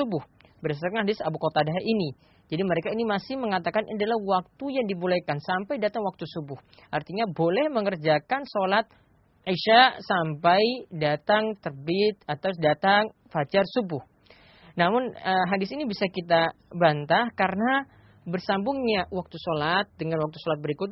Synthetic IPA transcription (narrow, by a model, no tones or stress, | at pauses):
ubʊh | bəɾasakanɦadɪsabukot̪adaɦaʔini | d͡ʒadiməɾekainimasɪhməŋat̪akanʔadalahwak̚t̪ujaŋdibulakansampajdat̪aŋwak̚t̪usubʊh | ʔart̪iɲabolɛhməŋərd͡ʒakansolat̪̚ | ʕiʃasampajdat̪aŋt̪ərbɪt̪̚at̪awdat̪aŋ | fat͡ʃarsubʊh | namʊnəɦadɪsinibisakit̪abant̪ahkaɾəna | bərsambʊŋɲawak̚t̪usolat̪̚dəŋanwak̚t̪usolat̪̚bəɾikʊt̪̚